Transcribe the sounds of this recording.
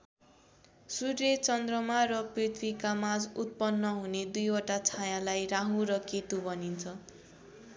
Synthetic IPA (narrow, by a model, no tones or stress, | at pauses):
suret͡sʌnd̪rʌmarʌprit̪ʰwikamad͡zut̪̚pʌnːʌɦuned̪ujoʈat͡sʰajãlajraɦũrʌket̪ubʌnint͡sʰʌ